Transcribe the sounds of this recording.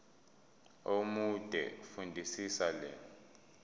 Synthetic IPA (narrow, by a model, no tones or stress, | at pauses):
omud̥ʱɛ̰fundʱisisalɛːnɔ